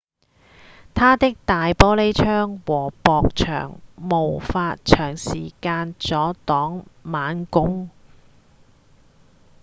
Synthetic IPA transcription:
t̪ʰaː˥t̪ɪ˥k̚t̪aː˨jpɔː˥le˥jt͡ʃʰœː˥ŋwɔː˨˩pɔː˨k̚t͡ʃʰœ̰ː˨˩ŋmo˨˩wfaː˧t̚t͡ʃʰœː˨˩ŋsḭː˨˩kaː˧nt͡sɔː˨˥t̪ɔː˨˥ŋmaː˨˥nkʊ˥ŋ

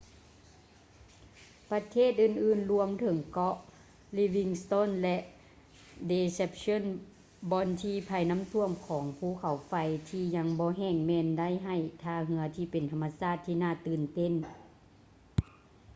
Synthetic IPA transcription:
pa˧t̪ʰeː˥˩t̪̚ʔɯː˧˩nʔɯː˧˩˨nlu˧əmt̪ʰɤ˨˩˦ŋkɔ˧˥ʔ | li˧wi˧ŋst̪o˧˥˨nlɛ˧ʔ | de˧se˧p̚so˧˥˨n | bɔː˧nt̪ʰiː˧pʰa˧˩jna˧˥˨mt̪ʰu˧əmkʰɔː˩˨˦ŋpʰuː˧˩˨kʰa˨˦wfa˧jt̪ʰiː˧ɲa˧ŋbɔː˧˦ɦɛː˧˩ŋmɛː˧nda˥˨jɦa˧˩jt̪ʰaː˧˩ɦɯ˧˦ɐt̪ʰiː˧˩pe˨nt̪ʰa˧mːa˧saː˧˥˩t̪ʰːiː˧naː˧˩˨t̪ɯː˨˩nt̪e˧˥˨n

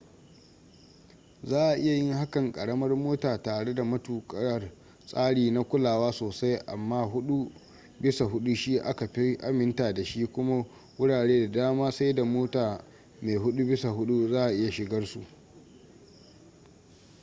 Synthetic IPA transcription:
zaː˦ʔa˨ʔɪ˦ja˨jɪ˦ŋha˦kɐ˨ŋkʼɐ˨ɽɐ˦mɐ˦rmoː˦taː˨taː˨ɽe˦da˨mɐ˦tuː˨kʼɐ˦ɐ˨r | sʼaː˦ɽiː˨na˦kʷʊ˦laː˨waː˦soː˨sa˦jʔa̰˨mːaː˦ɦʊ˦ɗu˦ | bɪ˦sa˨ɦʊ˦ɗu˦ʃiː˦ʔa˦ka˨ɸi˦ʔa˦mɪ˦ntaː˨da˨ʃiː˦kʷʊ˦ma˦ | wʊ˦ɽaː˨ɽeː˦da˨daː˦maː˦sa˦jda˨moː˦taː˨ | meː˨ɦʊ˦ɗu˦bɪ˦sa˨ɦʊ˦ɗu˦zaː˦ʔa˨ʔɪ˦ja˨ʃɪ˨ɡɐ˦rsṵ˨ʔ

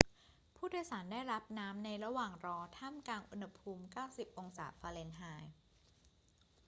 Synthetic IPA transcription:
pʰuː˥˩duː˥˩˨jsaː˩˦ndaː˥˩jɾa˦˥p̚naː˦˥mna˧jɾa˧waː˨˩ŋɾɔː˧t̪ʰaː˥˩mkaː˧nʔu˧nha˧pʰuː˧mkaː˥˩wsi˨˩p̚ʔo˧ŋsaː˩˦faː˧le˧nɦaː˧j

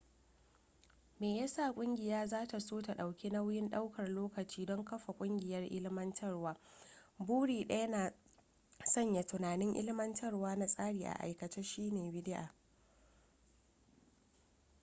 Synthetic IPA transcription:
meː˨jaː˦sa˦˨kʷʼʊ˦ŋɡʲɪ˨jaː˦zaː˦ta˨soː˦ta˨ɗa˨wkʲi˦na˦wjɪ˦nɗa˦wkɐ˨rloː˦kɐ˨t͡ʃiː˦dɔ˦ŋkɐ˦ɸa˨kʷʼʊ˦ŋɡʲɪ˨jɐ˦rʔɪ˦lmɐ˦ntʰɐ˦rwaː˦buː˦ɽiː˨ɗɐ˦ja˦naː˨ | sɐ˦ɲja˨tʊ˨naː˨nɪ˦ŋʔɪ̰˦lmɐ˦ntʰɐ˦rwaː˦na˦sʼaː˦ɽiː˨ʔa̰˨ʔa̰˨jkɐ˨t͡ʃa˦ʃiː˦neː˨bɪ˦dɪ˦ʔa̰ː˨

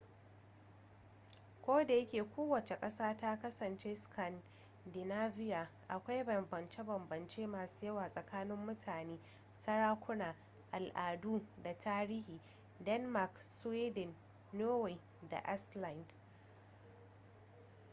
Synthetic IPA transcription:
kʷoː˦da˨jɐ˦kʲeː˨kʷoː˦wɐ˨t͡ʃe˨kʼɐ˦saː˦taː˦kɐ˦sɐ˨nt͡ʃe˦skʰɐ˨n | dɪ˨naː˦vɪ˦jaː˨ʔa˨kʷa˦jbɐ˨mbɐ˨nt͡ʃe˦bɐ˨mbɐ˨nt͡ʃeː˦maː˨su̥ː˦jɐ˦waː˨sʼɐ˨kaː˦nɪ˦mːʊ˦tʰaː˨neː˦ | sɐ˦ɽaː˦kʷʊ˦naː˨ | ʔa˨lʔaː˨duː˦da˨tʰaː˦ɾiː˦hiː˨ | dɛ˦nma˨kswiː˦dɛ˨nː | oː˦we˨ | da̰˨ʔɛ˦sla˨nd

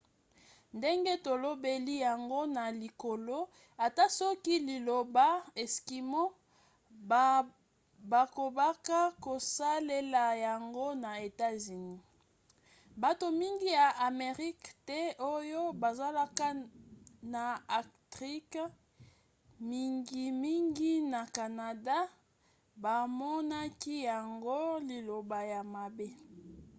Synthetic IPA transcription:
nde˦ŋɡe˦to˨lo˦be˦li˦ja˨ŋɡo˦na˨li˨ko˨lo˦ | a˨ta˦sɔ˦ki˦li˨lo˨ba˦e˨ski˨mo˦ | ba˨ko˨ba˦ka˦ko˨sa˦le˦la˨ja˨ŋɡo˦na˨e˨ta˦zy˨ni˦ | ba˨to˨mi˦ŋɡi˦ja˨ʔa˨me˨ʁi˦ktɛ˦ʔo˦jo˦ba˨za˦la˦ka˦ | na˨a˨ktʁi˦k | mi˦ŋɡi˦mi˦ŋɡi˦na˨ka˨na˨da˦ | ba˨mɔ˦na˦ki˦ja˨ŋɡo˦li˨lo˨ba˨ja˨ma˨be˦

